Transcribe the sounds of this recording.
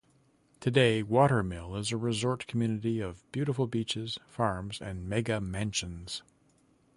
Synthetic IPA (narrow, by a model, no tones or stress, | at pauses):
tʰɨdeɪwɔɾə˞mɪlˠɪzɨɹɨzɔɹtkʰm̩jʉnɨɾiʌvbjʉɾəfl̩ˠbit͡ʃɪz̥fɑɹmzɨ̰̃nmɛɡɨmæ̃nʃɨ̃nz̥